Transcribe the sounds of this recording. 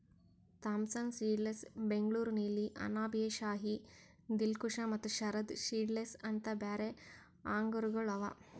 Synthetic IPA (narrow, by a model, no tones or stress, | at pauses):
t̪aːmsɐnsiːɖlesbeŋɡɭuːɾnelːiʔɐ̰naːbijeʃaːɦi | d̪ilkuʂɐmɐt̪ːuʃɐɾɐd̪ʃiːɖlesɐnt̪ɐbaːɾe | aːŋɡɐɾuɡɐɭɐʋɐ̰